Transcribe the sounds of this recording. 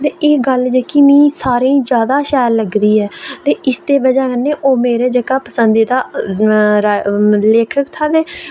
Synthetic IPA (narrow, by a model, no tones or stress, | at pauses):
t̪eːeːɡəld͡ʒeːkimĩːsaːɾĩːd͡ʒjaːd̪aːʃɛːɾləɡd̪iːɛːt̪eːʔɪst̪eːbəd͡ʒaːkənːeːʔoːmeːɾeːd͡ʒəkaːpəsənd̪iːd̪aː | ɾaleːkʰəkt̪ʰaːd̪eː